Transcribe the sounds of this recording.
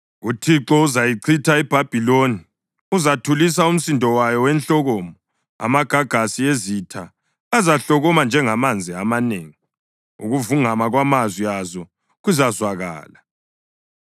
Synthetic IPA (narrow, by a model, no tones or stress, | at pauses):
utʰiǁɔuzajiǀʰitʰaɛb̥ʱab̥ʱiloni | uzatʰulis̬aum̩sindʱɔwajɔwɛnɬɔɣɔːmɔ | a̰maɡ̥ʱaɡ̥ʱasiezitʰa | azaɬɔɣɔmand͡ʒʱɛŋamand͡zʱiamaneːŋi | ṵɣuvuŋamaɣwamazwiazɔ | ɣuzazwaɣa̰ːla